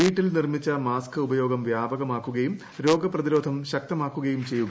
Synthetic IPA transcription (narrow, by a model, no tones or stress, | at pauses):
iːʈːilnirmit͡ɕːɐmaːskɨubɐjo̞ːɡɐmʋjaːbɐɣɐmaːkːuɣɐjum | ɾo̞ːɡɐprɐðiɾo̞ːd̪ʱɐmɕɐk̚t̪ɐmaːkːuɣɐjumt͡ɕe̞jːuɣɐ